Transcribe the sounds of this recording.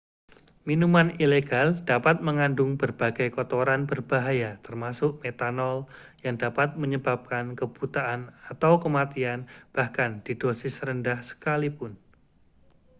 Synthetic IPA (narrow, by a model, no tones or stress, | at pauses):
minumanileɡald̥apat̪̚məŋandʊŋbərb̥aɡajkɔt̪oɾanbərb̥aɦajat̪ərmasʊʔmet̪anɔl | jaŋdapat̪̚məɲəbap̚kankəb̥ut̪aʔːnat̪awkəmat̪ianb̥ahkand̥id̥osɪsɾəndahsə̥kalipʊn